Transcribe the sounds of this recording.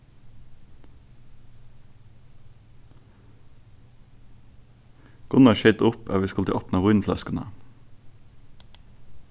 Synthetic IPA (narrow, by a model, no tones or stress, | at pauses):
ɡ̥ʊnɑʃɛt̪ʊpʰɑːʋiːskɑlt̪ʰəʔɑpnɑʁʊnflɑ̰skənə̰